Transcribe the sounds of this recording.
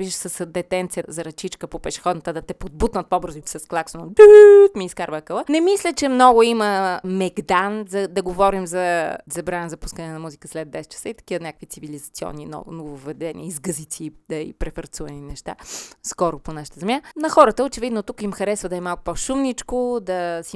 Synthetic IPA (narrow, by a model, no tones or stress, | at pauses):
viʒʃsəsd̪ɛt̪ɛnt̪sijəzɐɾɐt͡ʃit͡ʃkəpopɛʃɛ̥xɔd̪nət̪əd̪ɐt̪ɛpod̪̚but̪nət̪̚pobɤɾzoifsɐsklˠaksonod̪ut̪miːskaɾvəkəvˠənɛmislʲət͡ʃɛmnɔɡʊiməmɛɡd̪anzɐd̪ɐɡovɔɾimzɐzɐbɾanəzɐpuskənɛnɐmuzikəslɛd̪d̪ɛsɛt͡ʃɐ̥səit̪ɐ̥kivənʲakkvit̪sivilizɐt̪siɔ̰nːinɔ̰novovɛd̪ɛnḭəizɡəzit̪siːd̪ɐḭpɾɛfɐɾt̪suvɐninɛʃt̪a̰skɔɾʊponaʃə̥t̪əzɛmjanɐxɔɾət̪əot͡ʃɛvid̪not̪ukimxɐɾɛsvəd̪ɐɛmalˠkʊ̥poʃumnit͡ʃkod̪ɐsi